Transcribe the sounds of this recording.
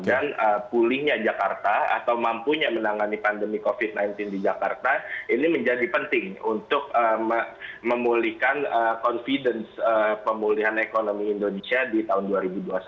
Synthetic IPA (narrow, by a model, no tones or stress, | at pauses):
ɡanəpulɪhɲad͡ʒakart̪aa̰t̪awmampuɲamənaŋanipandəmikofit̪̚najnt̪ɪndid͡ʒakart̪ainiməɲd͡ʒadipənt̪ɪŋunt̪ʊk̚əməməmulihkanəkɔnfidənsəpəmuliɦanekonomiːndonesiadit̪aɦʊnduaɾibuduas